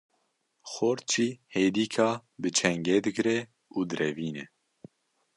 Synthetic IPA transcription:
xoɾt͡ʃʰiːheːd̪iːkʰɑːbɨt͡ʃʰɛŋɡɛd̪ɨɡɾɛ | uːd̪ɨɾɛviːnɛ

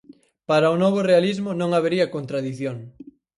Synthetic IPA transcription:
paɾɐʊnoβ̞ʊrealizmʊnõŋaβeɾiɐkont̪ɾaðiθjoŋ

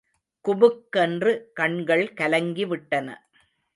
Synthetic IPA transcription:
kʊbɯkːɛndrɯkɐɳɡɐɭkɐlɐŋɡiʋɪʈːɐnɐ̰

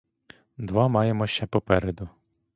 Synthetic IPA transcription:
d̪ʋɑmɑjemɔʃt͡ʃɛpɔpɛɾed̪ʊ

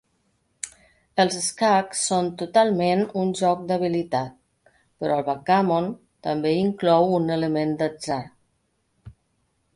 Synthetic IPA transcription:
əlˠzəskaksːont̪ut̪alˠmenunʲʒɔk̚d̪əβilit̪at̪̚ | pəɾʔɔəlˠβakamon | t̪əmbeiŋklɔwunələmend̪əzaɾ

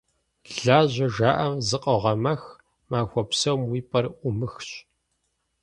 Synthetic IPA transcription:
ɮaːʑʷɐʒaːʔɐmzɨqʼɐʁɐmɐx | maːxʷɔpsɐwmwiːpʼɐrʔʷʊmɨxɕ

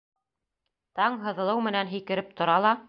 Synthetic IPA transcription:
t̪ɑɴɦɤ̆ðɤ̆lˠɤwmɘ̆nænɦikɘ̆ɾɘp̚t̪ŏɾɑlˠɑ

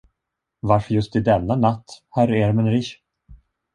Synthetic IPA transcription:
vaɾfœɾjɵst̪ɪd̪ɛnːanat̪ːhæɾeɾmɛnɾɪʃ

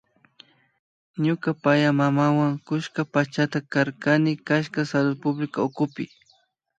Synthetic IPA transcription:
ɲʊkapajamamawaŋkʊʃkapat͡ʃat̪akaɾkanɪkaʃkasalʊd̪̚pʊblɪkaʊkʊpɪ

